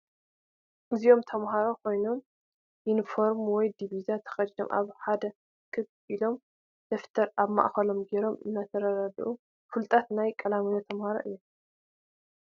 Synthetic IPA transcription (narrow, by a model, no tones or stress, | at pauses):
ʔɨzijo̞mt̪ʰɐmɦaɾokʰo̞jno̞m | ʔinifo̞ɾmwɔjd̪iβizat̪ʰɐ̥xɐdd̪o̰mʔa̰βħad̪ɐ | kʰɨb | ʔilo̞m | d̪̥ɐft̪ʰɐɾaβma̰ʔxɐlo̞mɡeɾo̞mɨnːat̪ʰɐɾɐɾad̪iʔu | fɨlt̪ʼat̪najkʼɐlamijot̪ʰɐmhaɾo̰ʔɨjːom